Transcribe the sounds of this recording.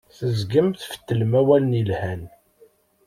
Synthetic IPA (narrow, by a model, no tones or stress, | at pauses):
θəzɡəmθfə̥t̪ːəlmæwæləniəlhæn